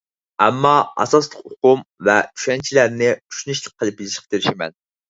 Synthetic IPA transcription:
ɛmːɑɑ̰sɑslˠəqoqʊmvɛt͡ʃʰy̥ʃɛnt͡ʃʰilæɾnɪy̥ʃynyʃlˠɨq̚qʰːəlˠɨp̚ilɪʃqt̪eɾɪʃimɛ̰n

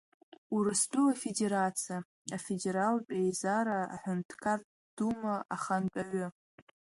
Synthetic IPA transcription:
uɾɨsdʼuafede̞ɾat͡sʰia | afede̞ɾalpʼejzaɾaa̰ħʷᶣʊntʰkʰar | d̥umaaχantʼaʕʷʊ

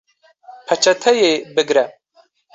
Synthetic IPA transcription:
pʰɐt͡ʃʰɐt̪ʰɛjebɨɡɾɛ

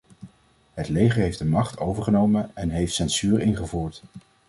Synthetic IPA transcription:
ɦətlejχəɹɦejfdəmɑχtowvəɹχənowmənɛnɦejftsɛnsyːɹɪnχəvuːɹt

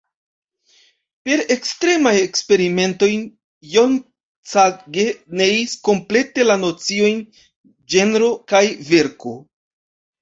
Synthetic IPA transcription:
pe̞ɾe̞kstɾe̞maje̞kspe̞ɾime̞nto̞jn | jon | t͡saɡe̞nejisko̞mple̞te̞lano̞t͡sio̞jn | d͡ʒe̞nɾo̞kajve̞ɾko̞

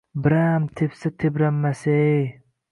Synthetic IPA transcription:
bɪɾamt̪ʰepsɪt̪ʰebɾamːasej

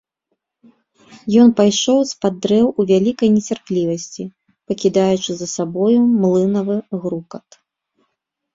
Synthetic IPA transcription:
jɔnpajʂɔwspad̪ːɾɛwuvʲalʲikɐjnʲɛt͡sʲarplʲivɐsʲt͡sʲi | pɐkʲid̪ajut͡ʂɨzɐsabɔjumlˠɨnɐvɨɣɾukɐt̪

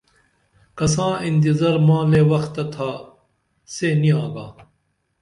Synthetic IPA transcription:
kɐsãːint̪̬izɐɾmãːleːwɐxt̪ɐt̪ʰaː | seːniãːɡaː

